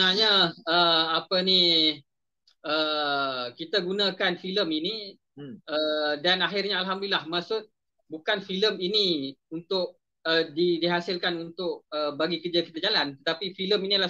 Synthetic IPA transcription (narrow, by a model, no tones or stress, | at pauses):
naɲaəapəni | ə | kit̪aɡunãkanfiləmini | ʔədanaɦɪrɲaalɦamdlilahmasʊt̪̚ | bukanfiləminiunt̪ʊʔ̚ | ədidiɦasɪlkanunt̪ʊʔ̚əbaɡikərd͡ʒakit̪ad͡ʒalant̪ət̪apifiləminila